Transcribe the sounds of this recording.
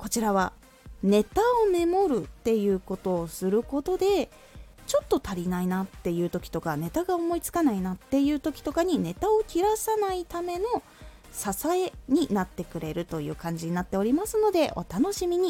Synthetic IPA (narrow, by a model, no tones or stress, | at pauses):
ko̞t͡ɕiɾaβ̞a | ne̞t̪ao̞me̞mo̞ɾɯ̟t̪ːe̞jɯ̟ːko̞t̪o̞ːsɨɾɯ̟ko̞t̪o̞d̪e̞ | t͡ɕo̞t̪ːo̞t̪aɾʲinainat̪ːe̞jɯ̟ːt̪o̞kʲi̥t̪o̞kane̞t̪aɡao̞mo̞it͡sɨ̥kanainat̪ːe̞jɯ̟ːt̪o̞kʲi̥t̪o̞kaɲ̟ine̞t̪ao̞kʲiɾasanait̪ame̞no | sasae̞ɲ̟inat̪ːe̞kɯ̟ɾe̞ɾɯ̟t̪o̞jɯ̟̰ːkãɲ̟d͡ʑiɲ̟inat̪ːe̞o̞ɾʲimasɨno̞d̪e̞ʔo̞̰t̪ano̞ɕimʲiɲ̟i